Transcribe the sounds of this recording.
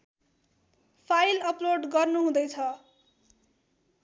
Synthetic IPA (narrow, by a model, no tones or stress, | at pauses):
pʰajlʌploɖɡʌrnuɦũd̪ʌjt͡sʰʌ